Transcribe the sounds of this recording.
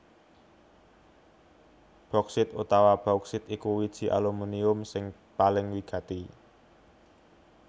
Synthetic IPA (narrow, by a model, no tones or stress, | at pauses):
b̥ɾɔksɪt̪ut̪awab̥ɾɔksɪt̪ikuwid̥ʒ̥i̤ʔa̰lumuniʊmsɪŋ | palɪŋwiɡ̥ä̤t̪i